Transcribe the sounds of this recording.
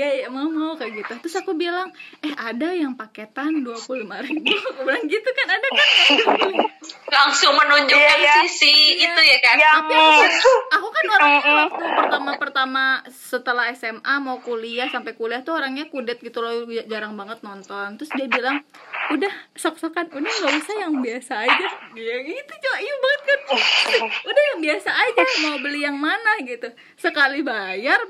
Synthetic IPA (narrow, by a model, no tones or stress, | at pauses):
jajamaumaukaʔɡit̪ut̪ɾʊsakubilaŋɛhadajaŋpaket̪anduapulumaɾidukubilaŋɡit̪ukanadakanad̪ | laŋsʊŋmənuɲd͡ʒʊsisiit̪ujakanaku | akukanoɾaŋaak̪upərt̪amapərt̪amasət̪əlahɛsɛmamaukuliahsampajkuliaht̪uoɾaŋɲakudɛt̪̚ɡit̪ulod͡ʒaɾaŋbaŋət̪̚nɔnt̪ɔnt̪ɾʊsdiabilaŋudahsɔksakanudahŋɡaʔbisajaŋbiasaːd͡ʒasdiait̪ut͡ʃuaiubaŋət̪̚kan | udahjaŋbiasaːd͡ʒamaubəlijaŋmanahɡit̪u | səkalibajar